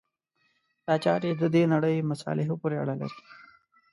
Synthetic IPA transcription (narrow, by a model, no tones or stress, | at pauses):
t̪ɑːt͡ʃɑːɾed̪əd̪enaɽəjmasɑ̰lɪɦopoɾeaɽala̰ɾi̥